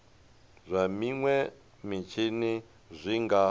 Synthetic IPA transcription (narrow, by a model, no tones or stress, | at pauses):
zʷamiŋwɛ | mit͡ʃʰini | zʷiŋɡa